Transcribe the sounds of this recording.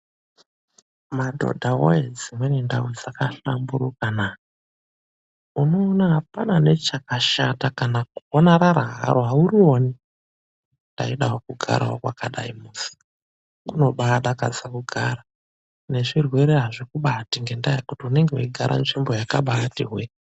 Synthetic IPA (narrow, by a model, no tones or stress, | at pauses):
madʱo̰dʱawo̰ed͡zimweninda̰wid͡zakaɬambuɾukana | uno̞ːnaɦapanane̞t͡ʃakaʃatakanakuonaɾaɾaɦa̰roɦauɾio̞ne | nda̰iɗaɦokuɡʱa̰ɾʔa̰ɦo̰kwakaɗa̰imusi̥ | kuno̞ɓaɗakad͡zakuɡʱaɾa | ne̞ʐirwe̞ɾeɦaʐikuɓatiŋɡe̞ndajakutiune̞ŋɡeuiɡʱaɾʔa̰nʐimbo̞jakaɓatiɦwe